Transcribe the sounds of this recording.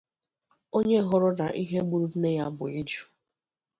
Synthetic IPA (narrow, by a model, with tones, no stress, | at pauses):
o˦ɲe˦ɦʊ˦ɾʊ˦na˨ʔi˦ɦe˦ɡ͡bu˨ɾu˦ne˦ja˦bʊ̰˨i˦d͡ʒu˦